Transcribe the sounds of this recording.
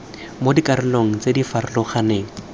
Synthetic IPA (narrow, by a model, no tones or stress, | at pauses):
modikaɾɪloŋ̩t͡sedifarɪlɔχaneːŋ̩